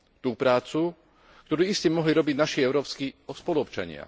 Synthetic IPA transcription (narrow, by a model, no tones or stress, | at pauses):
t̪uːpɾaːt͡su | k̚t̪ɔɾuːiscɛmɔɦliɾɔbiɟnaʃiɛʊɾɔːpskiɔspɔluɔpt͡ʃa̰ɲɪa̰